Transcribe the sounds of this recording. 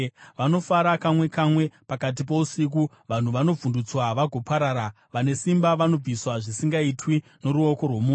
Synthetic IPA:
ʋano̞faɾakamwe̞kamwe̞pakat̬ip̬o̞usik̬u | ʋan̤uʋano̞vundut͡swaʋaɡʱo̞paɾaːɾa | ʋane̞simbaʋano̞b͡viswaʐisiŋɡaitwi | no̞ɾuo̞ko̞rwomu

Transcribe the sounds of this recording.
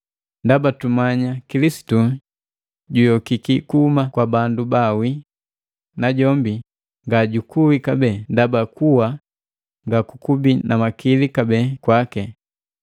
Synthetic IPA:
ndabatumaɲakilisi̥tu | ɟujɔkikikuumakwabandubawi | naɟɔmbi | ŋɡaɟukuwikabɛːndabakuwa | ŋɡakukubinamakilikabɛːkwakɛ

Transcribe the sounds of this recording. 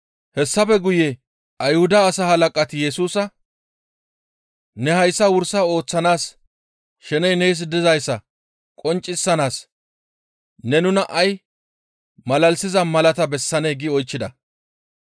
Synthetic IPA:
hɛsːɐfɛɡʊje | ʔɐjhʊd̪ɐːsahɐlɐkʼɐt̪ɪjɛsuːsɐ | nɛhɐjsːɐwʊɾsɐo̞ːt͡sːɐnaːs | ʃɛnɛjnejs̬d̪ɪzɐjsːɐ | kʼɔnt͡ʃʼːɪsːɐnaːs | nɛnʊnɐʔɐj | mɐlɐlsɪzɐmɐlɐt̪ɐbɛsːɐneːɡɪɔjt͡ʃːɪd̪ɐ

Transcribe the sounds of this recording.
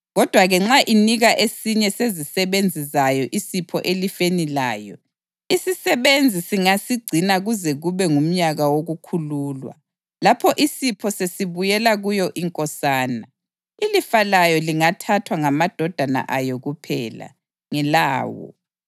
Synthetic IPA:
ɣɔd̥ʱwaɣɛŋ͡ǁaʔiniɣaʔesiɲɛsezisɛβend͡zʱizajɔʔisipʰɔ̰ʔelifenilaːjɔ | isisɛβend͡zʱisiŋasiɡ͡ǀʱinaɣuzɛɣuβɛŋum̩ɲaɣawoɣukʰuluːlwa̰ | lapʰɔʔisipʰɔsesiβujɛlaɣujɔʔiŋkʼɔsaːna | ilifalajɔliŋatʰatʰwaŋamad̥ʱɔd̥ʱana̰ʔajɔɣupʰɛ̰ːla̰ | ŋɛlaːwɔ̰

